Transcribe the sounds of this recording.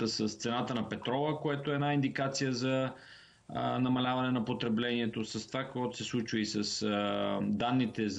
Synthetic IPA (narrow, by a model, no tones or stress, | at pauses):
səst̪sɛnat̪ənɐpɛt̪ɾɔvəkoɛt̪oɛːnaind̪ikat̪sijəzɐ | nɐmɐlʲavɐnɛnɐpot̪ɾɛblɛniɛt̪osəst̪ovakoɡɔt̪o̥sɛslˠut͡ʃvəisəs | d̪anːit̪ɛz